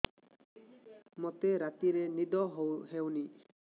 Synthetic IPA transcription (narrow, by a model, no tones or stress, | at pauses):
mɔt̪eɾat̪iɾenid̪ɔɦowɦewni